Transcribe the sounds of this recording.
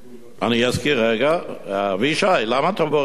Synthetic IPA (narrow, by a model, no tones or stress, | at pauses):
anijɛskiɾɛɡaviʃajlamat̪ʰɔbɔ